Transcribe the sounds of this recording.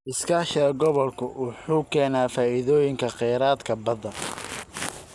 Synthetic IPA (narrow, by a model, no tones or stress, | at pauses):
ʔɪskʰaːʃɐɐɡɔβɔlkʰʊwʔʊħuːkʰɛːnaːfaːʔɪðɔːjɪŋkʰɐqɛjɾaːd̪kʰɐbɐðɐ